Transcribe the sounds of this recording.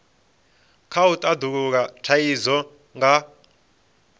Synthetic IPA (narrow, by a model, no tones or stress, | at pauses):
kʰautʼad̪uk̬uk̬atʰajizɔ | ŋɡa